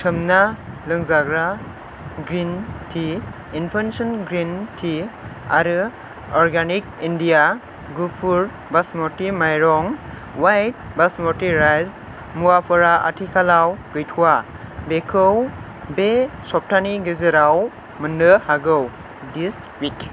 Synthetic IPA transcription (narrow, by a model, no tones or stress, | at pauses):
tʰɯmna | lɯŋzaɡɾa | ɡɾintʰi | inpʰensɔnɡɾintʰia̰ɾɯ | ɔɾɡanik̚indija | ɡupʰuɾ | basmɔɾtimajɾɔŋ | wajt̚basmɔɾtiɾajz | muapʰɔɾaʔa̰tʰikʰalawɡɯjtʰuwa | bekʰɯw | besɔp̚tʰaniɡezeɾaw | mɯnɯhaɡɯw | dis | wik